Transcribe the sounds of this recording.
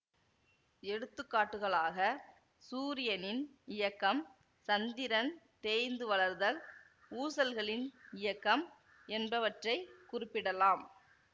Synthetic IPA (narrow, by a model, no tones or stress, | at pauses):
ɛɽɯt̪ːɯkːaːʈːɯɣɐɭaːɣɐ | suːɾɪjɐnɪn | ɪjɐkːɐm | sɐnd̪ɪɾɐn | t̪eːjnd̪ɯʋɐɭɐɾðɐl | uːsɐlɣɐɭɪnɪjɐkːɐm | ɛnbɐʋɐʈrɐɪkʊrɪpːɪɽɐlaːm